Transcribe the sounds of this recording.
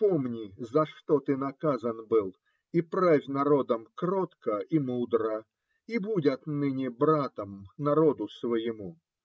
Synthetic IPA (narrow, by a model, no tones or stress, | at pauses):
pomnʲizɐʂt̪ot̪ɨnɐkazɐnbɨlˠ | ipɾavʲnɐɾo̞d̪əmkrot̪kəimud̪ɾə | ibudʲɐt̪nɨnʲɪbɾat̪əmnɐɾod̪ʊsvəjɪmu